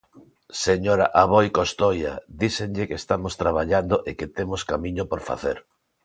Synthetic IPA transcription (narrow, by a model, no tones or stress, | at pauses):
seɲoɾaʔaβ̞ojkost̪oja̰d̪isenʎɪkest̪amost̪ɾaβaʎand̪oʔeket̪emoskamiɲopoɾfa̰θḛɾ